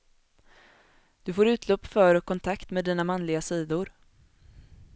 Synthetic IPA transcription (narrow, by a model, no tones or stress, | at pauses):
d̪̥ɵfoːɾʉ̟ːt̪ʰlɔpːfœːɾɔkʰːɔnt̪ʰakt̪meːd̪iːnamanlɪɡasiːd̪ʊɾ